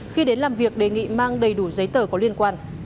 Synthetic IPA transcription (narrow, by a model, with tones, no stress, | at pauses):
xi˧ɗe˨˦nlaː˨˩mvi˨˩ək̚ɗe˨˩ŋḭ˧˨maː˧ŋɗə˨˩jɗu˧˩zə˨˦jt̪əː˧˩kɔ˨˦li˧ənkwaː˧n